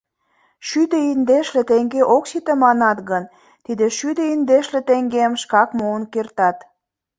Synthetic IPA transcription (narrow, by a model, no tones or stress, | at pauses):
ʃyd̪eind̪eʃlĕt̪eŋɡeʔoksit̪ə̆mɑnɑt̪ɣən | t̪id̪ĕʃyd̪eind̪eʃlĕt̪eŋɡemʃkɑkmoənkert̪ɑt̪